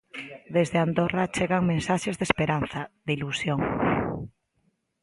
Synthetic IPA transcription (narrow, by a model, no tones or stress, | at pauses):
d̪ezðeand̪orat͡ʃeɣaŋmẽnsaʃezðespeɾanθɐd̪ilusjoŋ